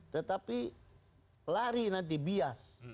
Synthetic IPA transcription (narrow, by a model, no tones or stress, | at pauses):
t̪ət̪api | laɾinant̪̬ibias